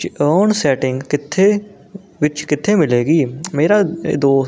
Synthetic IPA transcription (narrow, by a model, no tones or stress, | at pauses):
t͡ʃəːnsɛːʈɪŋɡkɪt̪ʰːeː | ʋɪt͡ʃkɪt̪ʰːeːmɪleːɡiːmeːɾaːd̪oː